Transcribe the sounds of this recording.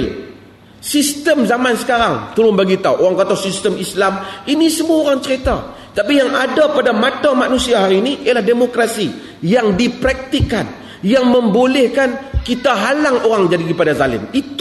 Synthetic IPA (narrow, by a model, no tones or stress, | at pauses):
l | sist̪əmzamansə̥kaɾaŋt̪əlʊnbaɡit̪awʔoɾaŋkat̪awsist̪əmislaminisəmuaoɾaŋt͡ʃəɾit̪at̪ət̪apijaŋadapadamat̪amanusiaɦaɾiːniʔialahdemokɾasi | jaŋdipɾak̚t̪ikːan | jaŋmə̃mbolɛhkankit̪aɦalaŋoɾaŋd͡ʒadikipadazalɪ̰mit̪